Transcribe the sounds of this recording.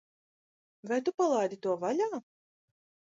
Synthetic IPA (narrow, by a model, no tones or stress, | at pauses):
vajt̪upalˠajd̪ʲit̪uɔvalʲaː